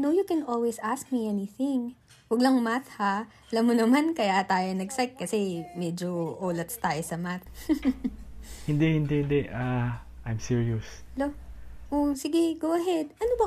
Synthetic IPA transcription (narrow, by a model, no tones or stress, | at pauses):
nowjukɛnʔolwɛsʔask̚miʔɛniθɪŋ | wɐɡ̚lɐŋmaθha | ɐlamːonɐmankɐjaʔt̪aːjonɐɡsak̚kːɐsɛmɛd͡ʒoʔoːlɐt̪st̪aːjosɐmaθ | hɪnd̪ɛhɪnd̪ɛhɪnd̪ɛʔaʔajmsiɹios | loʔosɪɡɛɡowʔɐɦɛd̪̚ʔɐnobɐ